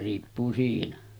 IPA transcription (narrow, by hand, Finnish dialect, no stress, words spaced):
riːpːuː siːnæ